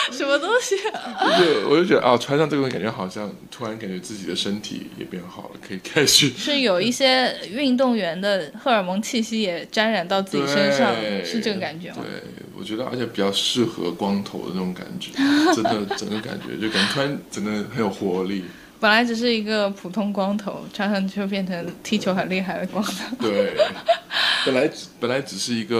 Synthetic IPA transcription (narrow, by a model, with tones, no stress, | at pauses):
ʂə˧˥nmə˧t̪ʊ˥ŋɕi˩wɔ˨˩t͡ɕo˥˩wɔ̰˨˩t͡ɕo˥ʊt͡ɕɥɛ˧˥d̪ə˧ʔʈ͡ʂʰwa˥nʂŋʈ͡ʂɤ˥˩˧ka˨˩nt͡ɕɥɛ˧˥xɑ˨˩ʊɕjɑ˥˩ŋt̪ʰu˥ɻa˧˥nka˨˩nt͡ɕɥɛ˧˥t͡sɹ̩˥˩t͡ɕi˨˩d̪ə˦ʂə˥nt̪ʰḭ˧˥jɛ̰˨˩pjɛ˥˩˧xɑ̰˨˩ʊlə̰˦kʰɤ˧˥i˨˩kʰa˥ɪt͡ɕʰy˥˩ʂɻ̩˥˩jo˨˩ʊi˥˩ɕjɛ˥y˥˧ŋt̪̬ʊ˥˩ŋɥɛ˧˥nd̪ə˧xɤ˥˩ə˞˨˩mɤ˧˥ŋt͡ɕʰi˥˩ɕi˥jɛ˨˩ʈ͡ʂa˥nɻa˨˩nt̪ɑ˥˧ʊt͡sɹ̩˥˩t͡ɕwe˩˥ʂə˥ʂɑ˥˩ŋʂɻ̩˧ʈ͡ʂɤ˥˩ɡə˩ka˨˩nt͡ɕɥɛ˧˥t̪wḛ˥˩ɪ | wɔ̰˨˩t͡ɕɥɛ˧˥d̪ə˧ə̰˧˥t͡ɕʰjɛ˧˥pi˨˩t͡ɕɑ˥˧ʊʂɻ̩˥˩xɤ̰˧˥kwɑ˥ŋt̪ʰo˧˥ʊd̪ə̰˧˦nə˥˩ʈ͡ʂʊ˧˥ŋka̰˨˩nt͡ɕɥɛ̰˧˥ʈ͡ʂə˥nd̪ə˨ʈ͡ʂə̰˨˩ŋɡə˦ka̰˨˩nt͡ɕɥɛ̰˧˥t͡ɕo˥˩ʊka˨˩n˥t̪ʰa˥nʈ͡ʂə˨˩ŋɡə˧xə˧˥njo˨˩ʊxwɔ˧˥˧li˥˩ | pə˨˩nla˧˥ɪʈ͡ʂ̩˨˩ʂ̬ɻ̩˥˩i˧˥ɡə˧pʰu˨˩t̪ʰʊ˥ŋkwɑ˥ŋt̪ʰo˧˥ʊʈ͡ʂʰa˧˥ŋʂʰɑ˥˩ŋni˨˩t͡ɕjo˥˧ʊp̬jɛ˥˩nʈ͡ʂʰɤ˧˥ŋt̪ʰi˥t͡ɕʰjo˧˥ʊxə˨˩nli˥˧xa˥˩ɪd̪ə˩kwɑ˥ŋt̪ʰo˧˩˦t̪we˥˩ɪ | pə˨˩nla˧˥ɪ˧˥pə˨˩nla˧˥ɪʈ͡ʂɻ̩˨˩ʂɻ̩˥˩i˧˥ɡə˧